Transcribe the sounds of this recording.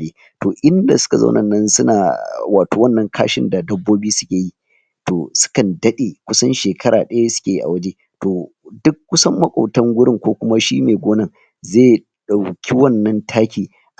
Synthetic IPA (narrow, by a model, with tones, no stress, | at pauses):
leː˦ | toː˨ʔɪ˦nda˨sʊ̥˦ka˨za̰˦nʔɐ˨nːɐ˦nsʊ˦na̰ː˨waː˨toː˨wɐ˦nːɐ˦ŋkʰa̰ː˦ʃɪ̰˦nda˨dɐ˦bːoː˦biː˦sʊ̥˦kʲeː˨ji˦ | toː˨sʊ̥˦kɐ˨ndɐ˦ɗe˨kʷʊ˦sɐ˦nʃeː˨kʰɐ˦ɾaː˨ɗɐ˦ja˦sʊ̥˦kʲeː˨ji˦ʔa̰˨wɐ˦d͡ʒe˦ | toː˨ | dʊ˦kːʊ˦sɐ˦mːɐ˦kʷʼa˨tɐ˦ŋɡʷʊ˦ɽɪ˦ŋkʷoː˦kʷʊ˦ma˦ʃiː˦neː˨ɡʷoː˦nɐ˦˨ŋ | zeː˦˨ | ɗa˨wkʲʰi˦wɐ˦nːɐ˦ntʰaː˦kʲiː˨ | ʔ